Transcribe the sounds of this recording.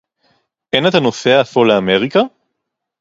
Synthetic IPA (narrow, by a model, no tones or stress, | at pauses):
ʔenat̪hanoseaːfoleameʁika